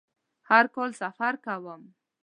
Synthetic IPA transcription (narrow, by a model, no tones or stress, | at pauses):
haɾkolsafaɾkawəm